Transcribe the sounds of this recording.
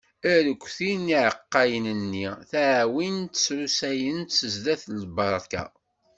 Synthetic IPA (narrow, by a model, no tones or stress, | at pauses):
æɾəkʷːθiniʕəqːɑjənənːiθæʕwint̪sɾusæjənt̪səzðæθlbɑɾˤkæ̰